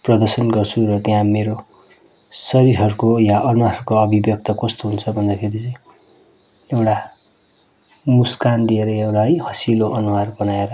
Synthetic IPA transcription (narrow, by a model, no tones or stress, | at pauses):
prʌd̪ʌrsʌnɡʌrt͡sʰuɾʌt̪jãmeɾo | sʌɾiɾɦʌɾukojaʔʌrmaɾʌɾukoʌbʱibjʌk̚t̪ʌkʌst̪oɦunt͡sʰʌbʱʌnd̪akʰeɾit͡sʌĩ | ewʈa | muskand̪ieɾʌewʈajhʌsiloʔʌnuɦarbʌnaeɾʌ